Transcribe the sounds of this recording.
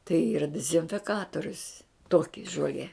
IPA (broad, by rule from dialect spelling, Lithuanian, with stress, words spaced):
tɐɪ ˈiːrɐ dʲɪzʲɪnʲfʲɪˈkɑːtoːrʲʊs ˈtoːkʲɪ ʒoːˈlʲiɛ